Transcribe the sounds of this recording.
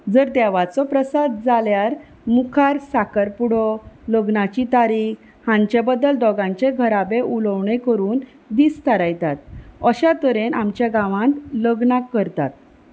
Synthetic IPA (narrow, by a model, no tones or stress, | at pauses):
d͡zəɾd̪ɛʋat͡sɔpɾəsad̪d͡zaljaɾ | mukʰaɾsakəɾpuɽɔləɡnat͡ɕit̪aɾiːk | hãɲt͡ɕebəd̪ːəld̪ɔɡãɲt͡ɕeɡʱəɾabeʔuləʋɳekəɾuːn | d̪ist̪əɾajt̪at̪əɕat̪əɾenamt͡ɕjaɡãʋãnt̪ləɡnakːəɾt̪a̰t̪̚